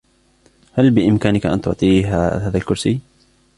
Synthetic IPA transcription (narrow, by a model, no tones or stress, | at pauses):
halbɪʔɪmkaːnɪkaʔa̰nt̪ʊʕt̪ˤiːɦahaːðalkʊɾsiː